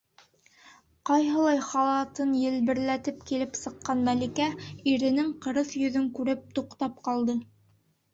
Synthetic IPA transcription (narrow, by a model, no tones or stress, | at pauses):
qɑjɦɤ̆lˠɑjχɑlˠɑt̪ɤnjɘ̆lbɘ̆ɾlæt̪ɘpkilɘpsɤ̆qːɑnmælikæiɾɘ̆nɘŋqɤ̆ɾɤθjɵ̆ðɵŋkʉɾɘp̚t̪uqt̪ɑp̚qɑlˠd̪ɤ